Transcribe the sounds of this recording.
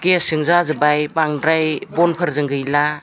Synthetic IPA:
ɡesɯŋzazɯbajbaŋdɾajbɔnpʰɯɾzɯŋɡɯjla

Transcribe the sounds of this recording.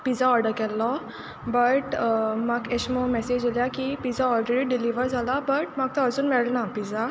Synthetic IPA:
pizaɔːɾɖəɾkɛlːɔ | bɐʈmɐkeʃmomɛsed͡ʒljakipiːzaɔːlɖɾeɾiɖɪliʋəɾzalabɐʈmak̚t̪oəɾsunmɛɽnapiza

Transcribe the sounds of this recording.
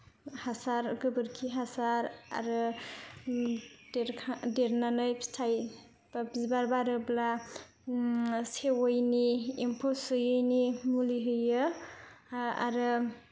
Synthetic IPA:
hasaɾɡɯbɯɾkʰiɦasaɾa̰ɾɯ | dɾʰdeɾnanɯjpstʰaj | abzibaɾbaɾɯbla | sewojniempʰɔsɯjɯjnimuliɦɯjɯ | a̰ɾɯ

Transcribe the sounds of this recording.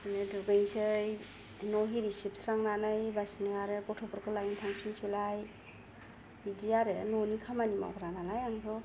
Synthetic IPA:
nɯduɡɯjsɯj | nɔɦiɾisip̚sɾaŋnanajbasnɯaɾɯkɔtʰɔbɔɾkʰɯlajntʰaŋpʰinsʰilaj | idiaɾenɔnikʰamanima̰wkʰɾanalajaŋsʰɔ

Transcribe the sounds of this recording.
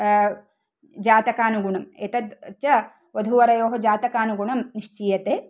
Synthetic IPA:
d͡ʒaːt̪ɐkaːnuɡuɳɐmḛːt̪ɐt̪tt͡ʃjɐ | ʋɐd̪ʱuʋɐɾɐjoːɦɐd͡ʒaːt̪ɐkaːnuɡuɳɐmniʂt͡ʃiːjɐt̪eː

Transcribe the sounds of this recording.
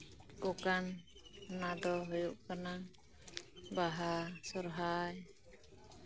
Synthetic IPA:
ɔkan | nad̪ɔɦojuʔkana | baɦasɔɾɦaj

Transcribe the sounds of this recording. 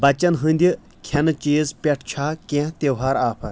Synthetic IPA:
bɐt͡ʃɐnɦɨnd̪ʲi | kʰɐnɐt͡ʃeːzpʲɐʈʰt͡ʃʰaːkẽt̪ʲewɦaːɾaːpʰɐɾ

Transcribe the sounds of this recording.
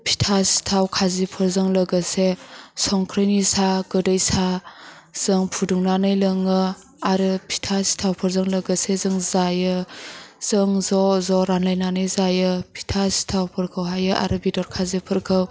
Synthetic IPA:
pʰi̥tʰasi̥tʰawkʰazipʰɯɾzɯŋlɐɡɯsesɔŋkʰɾenisaɡɯdəjsa | z̥ɯŋpʰuduŋnanɯjlɯŋɯ | aɾɯpʰi̥tʰasi̥tʰawpʰɯɾzɯŋlɐɡəsezɯŋzajɯ | z̥ɯŋzɔzɔɾanlajnanɯjzajɯpʰi̥tʰasi̥tʰawpʰɯɾkʰɯwɦajɯʔa̰ɾɯbidɔɾkʰazipʰɯɾkʰɯw

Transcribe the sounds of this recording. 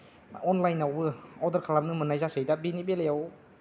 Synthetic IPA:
ɔnlajnawbɯɔdəɾkʰalamnɯmɯnajzasɯjdabinibelejaw

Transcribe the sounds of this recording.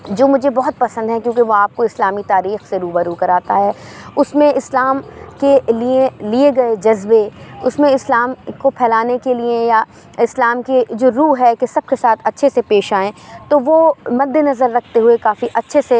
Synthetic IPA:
d͡ʒoːmʊd͡ʒʱebɔɦʊt̪̚pɐsə̃nd̪ɦɛ̃kjũːkeʋoaːp̚koɪslaːmit̪aːɾiːxseɾuːbəɾuːkɐɾaːt̪aɦɛːʊsmẽɪslaːmkelielieɡɐed͡ʒɐzbeʊsmẽɪslaːmkopʰɛːlaːnekelieja | ɪslaːmked͡ʒoːɾuːɦɛkesɐb̚kesaːt̪ʰɐtːʃʰesepeːʃaːẽt̪oʋoːmɐd̪ʱːenɐzəɾːɐkʰt̪eɦʊekaːfiʔɐtːʃʰese

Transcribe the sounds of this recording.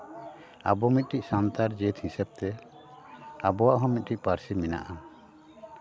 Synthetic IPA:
a̰bɔmit̪̚ʈiʔsant̪aɾd͡ʒɛt̪hĩsɛb̚t̪ɛ | abɔwaʔɦɔ̃mit̪̚ʈicpaɾsimina̰ʔa

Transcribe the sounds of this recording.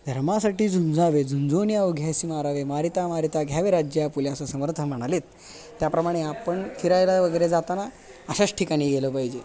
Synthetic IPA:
d̪ʱəɾmasaʈiːd͡zund͡zaʋed͡zund͡zonjauɡʱjasimaɾaʋemaɾit̪amaɾit̪aɡʱjaʋeɾad͡ʑjapuljasəsəməɾt̪ʰənm̤əɽ̃alet̪ː | japɾəmaɽ̃eapəɳfʰiɾajlaʋəɡəjɾed͡zat̪ana | əɕat͡sʈʰikaɽ̃iːɡeləpaɦid͡ʑe

